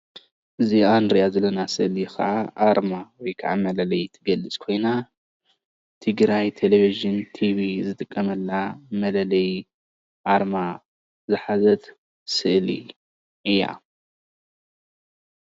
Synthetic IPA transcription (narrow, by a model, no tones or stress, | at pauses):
ʔɨziand̪ɾijazɐlɐnasɨʔlikʰa̰ʔaʔaɾmawɔjkʰaʕa̰mɐlɐlɐjt̪ʰɨɡɐlːɨt͡sʼkʰo̞jna | t̪ʰɨɡɾajt̪ʰeleviʒɨnt̪ʰiβizɨt̪ʼɨkʼːɐmɐlːamɐlɐlɐj | ʔaɾma | zɨħazɐt̪ | sɨʔlḭ | ʔɨjːa̰